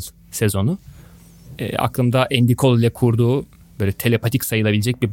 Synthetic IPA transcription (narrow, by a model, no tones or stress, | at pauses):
z | sezo̞nu | ɛ̰ːa̰klˠɯmd̪aʔɛnd̪ikʰo̞lˠilʲɛkʰuɾd̪uː | b̥ø̞ːlʲɛt̪ʰe̞lʲepʰat̪ʰicsajɯlˠabilʲed͡ʒɛc̚bib